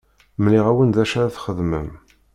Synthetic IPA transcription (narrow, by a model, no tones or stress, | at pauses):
mliʁæwənðæʃaɾaθχəðməm